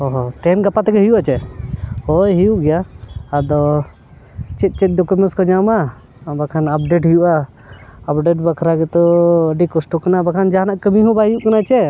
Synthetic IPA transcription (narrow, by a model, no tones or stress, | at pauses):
ɔɦɔt̪ɛnɡapat̪ɛɡɛɦijuʔat͡ʃɛhojɦijuʔɡɛjaːd̪ɔ | t͡ʃɛt̪̚ˀt͡ʃɛt̪̚ˀdɔkumɛnskɔd͡ʒama | bakʰanap̚ɖeʈɦijuʔaː | pɖeʈbəkʰɾaɡɛt̪ɔəɖikɔsʈɔkanabakʰand͡ʒaɦanaʔkəmiɦũbaɦijuʔkanat͡ʃɛ